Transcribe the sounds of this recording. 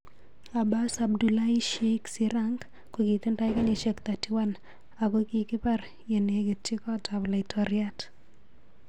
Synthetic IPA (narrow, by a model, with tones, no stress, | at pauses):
a˨ba˦sa˨bdu˨la˦i˦ʃeksiɾaŋɡ | ko˨ki˨t̪ɪ˦nta˦ɪ˦ka˦neʃakt̪ati˨wa˦n | a˨ko˦kikɪ˦pa˦ɾ | je˨ne˨ɡi˨t̚t͡ʃɪ˦kɔ˦ta˨bla˨ɪ˨tɔɾjat